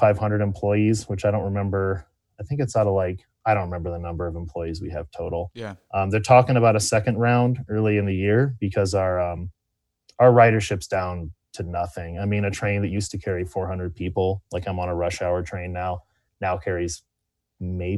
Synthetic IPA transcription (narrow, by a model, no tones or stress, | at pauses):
faɪv̥hʌ̃ndɹəɾɨ̃m̩pʰl̥ɔɪizwət͡ʃaɪɾõʊ̃nʔɹɨmɛ̃mbə˞ | aɪθɪ̃ŋkɨtsaʊɾəlaɪk | aɪɾõʊ̃nʔɹɪmɛ̃mbə˞ðənʌ̃mbə˞ʌṽm̩pʰl̥ɔɪizwiɨv̥tʰoʊɾl̩ˠʔʌ̃mðə˞tʰɔkɪ̃ŋəβaʊɾəsɛkɨ̃ndɹãʊ̃ndɜ˞lˠiɨ̃nðɨjɪɹb̥ɨkʰʌzə˞ʌ̃m | əə˞ɹaɪɾə˞ʃɪpsd̥ãʊ̃ntʰɨnʌθɪ̃ŋaɪmĩnɨtʰɹ̥ẽɪ̃nðɨʔjʉstʰɨkʰɛɹifɔɹhʌ̃ndəd̚pʰipl̩ˠlaɪkãɪ̃mə̃nəɹʌʃaʊə˞tʰɹ̥ẽɪ̃nːaʊ | naʊkʰɛɹiz | meɪ